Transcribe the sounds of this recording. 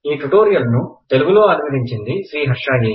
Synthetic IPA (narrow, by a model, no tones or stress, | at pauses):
iːʈuʈoːɾijɐlnut̪e̞luɡuloːɐnmid̪iɲt͡ʃind̪iʃɾiːɦɐɾʂaːɡiː